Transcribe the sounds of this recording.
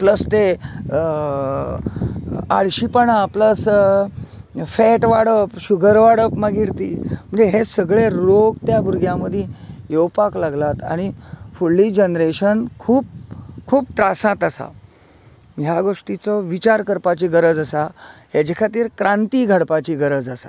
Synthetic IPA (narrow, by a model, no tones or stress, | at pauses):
pləst̪e | aɽɕipəɳapləs | fɛʈʋaɽəpɕuɡʱəɾʋaɽəpmaɡiɾt̪ḭːm̤əɳd͡zeɦesəɡɭeɾoɡt̪jabuɾɡʱjãməd̪ʱejewpaklaɡlat̪a̰ɽ̃ifuɭːiːd͡ʑənɾeɕənkʰuːb̚kʰuːpt̪ɾasãt̪asa̰ | ɦjaɡoʂʈit͡sɔʋit͡ɕaɾkəɾpat͡ɕiɡəɾəd͡zəsaɦed͡ʑekʰat̪iːɾkɾãnt̪iɡʱəɽpat͡ɕiɡəɾəd͡zəsa̰